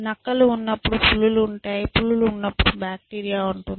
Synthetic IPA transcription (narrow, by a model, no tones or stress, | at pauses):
nɐkːɐluːnːɐpːuɽupuɭːuluːɳʈaːjipuɭːuluunːɐpːuɽubaːk̚ʈiːɾijaːuɳʈund̪i